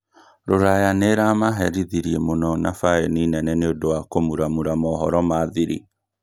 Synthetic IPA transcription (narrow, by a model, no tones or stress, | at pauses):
ɾoɾajaneɾamaɦɛɾiðiɾiemonɔnafaeninɛnɛneodowakomuɾamuɾamɔːɦɔɾɔmaːðiɾḭ